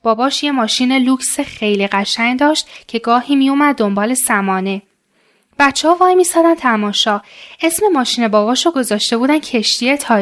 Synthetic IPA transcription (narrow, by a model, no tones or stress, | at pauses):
b̥ɒːbɒːʃje̞mɒːʃiːneluːksexe̞jliɣæʃæŋd̪ɒːʃt̪cʰe̞ɡɒːhiːmijumæd̪̚ːo̞mbɒːle̞sæmɒːne̞ | b̥æt̪t͡ʃʰːehɒːvɒːjmiːsɒːd̪ænt̪ʰæmɒːʃɒːesme̞mɒːʃiːne̞bɒːbɒːʃɔɡo̞zɒːʃt̪e̞buːd̪æncʰe̞ʃt̪iet̪ʰɒː